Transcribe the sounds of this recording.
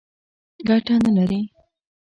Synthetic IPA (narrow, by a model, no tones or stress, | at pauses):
ɡaʈanalaɾi